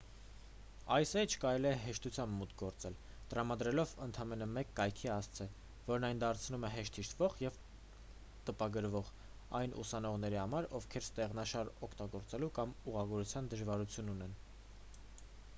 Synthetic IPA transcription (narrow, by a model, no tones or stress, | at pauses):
ɑjsɛjt͡ʃʰkɑɾɛliɛɦɛʃt̪ut͡sʰjɑmbmut̪ɡɔɾt͡sɛl | t̪əɾɑmɑd̪ɾɛlɔvənt̪ʰɑmɛnəmɛkːɑjkʰiɑst͡sʰɛ | vɔɾnɑjnd̪ɑɾt͡sʰnumɛɦɛʃt̪ʰhiʃt̪ʰvɔʁjɛv | t̪əpɑɡəɾvɔʁ | ɑjnʔṵsɑnɔʁn̪ɛɾihɑmɑɾɔvkʰɛɾst̪ɛʁnɑʃɑɾɔkʰt̪ɑɡɔɾt͡sɛlukɑmuʁɑɡɔɾut͡sʰjɑnd̪əʒvɑɾut͡sʰjununɛn